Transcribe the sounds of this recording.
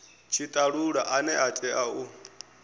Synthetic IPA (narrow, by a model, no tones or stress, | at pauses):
t͡ʃʰit̪ʼaɺuɺaʔanɛʔat͡ʃʼɛʔau